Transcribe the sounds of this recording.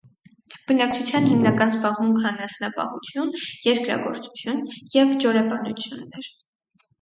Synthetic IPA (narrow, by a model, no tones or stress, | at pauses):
b̥ənɑk̚t͡ʃʰut͡sʰjɑnhimnɑkɑnzbɑʁmuŋkʰɑnɑsnɑpɑ̰hut͡sʰjunjɛɾkɾɑ̰ɡɔ̰ɾt͡su̥t͡sʰjunjɛvd͡ʒɔɾɛbɑnut͡sʰjunːɛɾ